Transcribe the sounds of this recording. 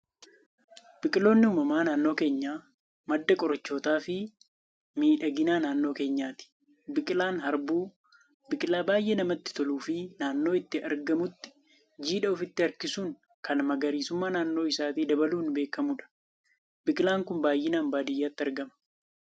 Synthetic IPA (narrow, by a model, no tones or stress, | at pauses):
b̥ɪkʼɪlo̞ːnːɪuːmɐmaːnaːnːo̞ːke̞ːɲːaː | mɐd̪ːɐkʼɔɾɐt͡ʃːo̞ːt̪aːfɪ | miːᶑɐɡɪnaːnaːnːo̞ːke̞ːɲːaːt̪ɪ̥ | bɪkʼɪlaːnhɐɾbuː | bɪkʼɪlaːbaːjʔeːnɐmɐt̪ːɪ̥t̪ɔluːfɪnaːnːo̞ːɪt̪ːɪʔɐ̰ɾɡɐmʊt̪ːɪ̥ | d͡ʒiːᶑɐʊfɪt̪ːɪɐɾkɪsuːŋ | kɐnmɐɡɐɾiːsʊmːaːnaːnːo̞ːɪsaːt̪iːd̪ɐbɐluːnbe̞ːkːɐmuːᶑɐ̥ | bɪkʼɪlaːŋkʊmbaːjːɪnaːmbaːd̪ɪjːaːt̪ːɪɐɾɡɐmɐ̥